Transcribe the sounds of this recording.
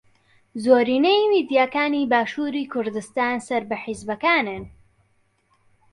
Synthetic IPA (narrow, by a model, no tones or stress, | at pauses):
zoːɾiːnejmiːd̪jaːkaːniːbaːʃuːɾiːkʰʊɾd̪ɨst̪aːnsɐɾbɐħɪzbɐkaːnɨn